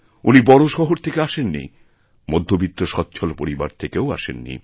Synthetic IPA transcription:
unibɔɽoʃɔɦoɾt̪ʰekeaʃenːḭ | mod̪ʱːobit̪ːoʃɔt̪ːɕʰolpoɾiba̰ɾt̪ʰekeoa̰ʃḛnːḭ

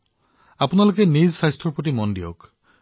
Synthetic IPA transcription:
apunalokenizsajstʰɾɔpɔʈimɔndio̰k

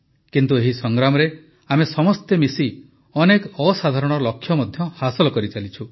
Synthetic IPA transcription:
kint̪ueɦisɔŋɡɾamɔɾe | amesɔmɔst̪emisi | ɔnekɔɔsad̪ʱaɾɔɽ̃ɔlɔkʰjɔmɔd̪ʱjɔhasɔlɔkɔɾit͡ʃalit͡ʃʰu

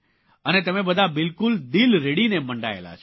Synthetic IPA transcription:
ənet̪əmẽbəd̪ʱabɪlkʊld̪ilɾeɽineməɳɖa̰ḛla̰t͡ʃʰ

